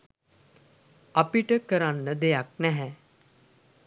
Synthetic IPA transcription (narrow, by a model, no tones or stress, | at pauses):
apiʈəkəɾãnːəd̪ejak̚nɛɦɛ̃